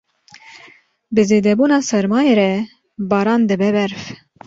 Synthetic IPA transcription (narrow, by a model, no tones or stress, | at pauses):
bɨzeːd̪ɛbuːnɑːsɛɾmɑːjeːɾɛ | bɑːɾɑːnd̪ɨbɛbɛɾf